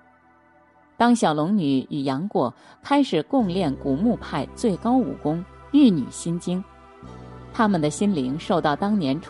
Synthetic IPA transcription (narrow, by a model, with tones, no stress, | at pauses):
t̪ɑ˥ŋɕjɑ˨˩ʊlʊ˧˥ŋny˨˧˥y˨˩jɑ˧˥ŋkwɔ˨˩ | kʰa˥ɪʂɻ̩˨˩kʊ˥˧ŋljɛ˥˩nku˨˩mu˥˧pʰa˥˧ɪt͡swe˥˩ɪkɑ˥ʊṵ˨˩kʊ˥ŋy˥˩ny̰˨˩ɕi˥nt͡ɕi˥ŋ | t̪ʰa˥mə˨nd̪ə˩ɕi˥nli˧˥ŋʂo˥˧ʊt̪ɑ˥˩ʊt̪ɑ˥ŋnjɛ˧˥nʈ͡ʂʰ